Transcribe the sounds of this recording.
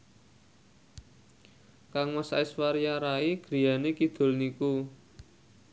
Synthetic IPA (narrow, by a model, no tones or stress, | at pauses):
kaŋməsa̰ɪswaɾjaɾaiɡ̥ɾi̤janekid̪̥o̤lniku